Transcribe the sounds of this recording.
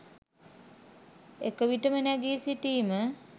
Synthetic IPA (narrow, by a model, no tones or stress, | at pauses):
ekəʋiʈəmənæɡiːsiʈiːmə